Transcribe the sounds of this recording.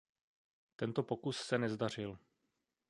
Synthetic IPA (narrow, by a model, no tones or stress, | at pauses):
t̪ɛnt̪opo̞kussɛnɛzdar̝ɪl